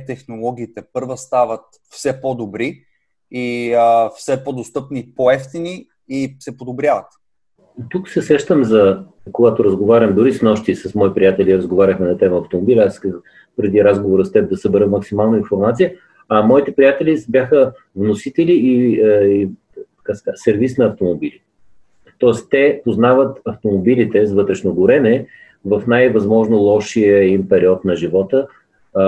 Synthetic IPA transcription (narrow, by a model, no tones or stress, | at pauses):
t̪ɛxnolˠɔɡ̟ʲiːt̪ɛpɤɾvəst̪avət̪ | fsɛpod̪obɾi | iəfsɛpod̪ost̪ɤpnipoɛft̪ini | isɛpod̪obɾʲjavɐt̪ | t̪uksɛsɛʃt̪əmzɐ | koɡat̪oɾəzɡovaɾʲəmd̪ʊɾisnɔʃt̪isɐsmɔipɾʲijat̪ɛlʲiɾəzɡovaɾʲəxmɛnɐt̪ɛməɐft̪omobilʲasəx | pɾɛd̪iɾazɡovoɾəst̪ɛp̚d̪ɐsəbɛɾəmɐksimalˠnəinfoɾmat̪sijə | ɐmɔit̪ɛpɾijat̪ɛlʲibʲjaxə | vnosit̪ɛlʲiː | t̪ɐ̥kasɛ̥kasɛɾvisnɐːft̪omobilʲi | t̪ɔɛst̪t̪ɛpoznavət̪ɐft̪omobilʲit̪ɛzvɤt̪ɾɛʃnoɡʊɾɛnɛ | vɐfnajvɐzmɔʒnolˠɔʃiəimpɛɾiɔt̪nɐʒivɔt̪ə